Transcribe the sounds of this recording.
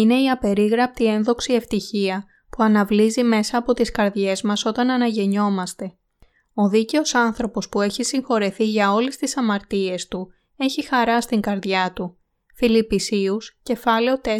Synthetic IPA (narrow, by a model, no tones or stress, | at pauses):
ine̞iɐpe̞ɾiɣɾɐp̚t̪ie̞nðo̞ksie̞ft̪içiɐ | puɐnɐvlizime̞sɐːpo̞t̪iskɐɾðʝe̞zmɐso̞t̪ɐnɐnɐʝe̞ɲo̞mɐst̪e̞ | o̞ðice̞o̞sɐnθɾo̞po̞spue̞çisiŋxo̞ɾeθiʝɐo̞lest̪isɐmɐɾt̪ie̞st̪u | e̞çixɐɾɐst̪iŋɡɐɾðʝɐt̪u | filipisiusce̞fɐle̞o̞t̪e